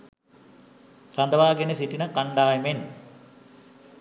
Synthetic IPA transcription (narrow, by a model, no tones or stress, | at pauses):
ɾand̪əʋaːɡenesiʈinəkaɳɖaːemen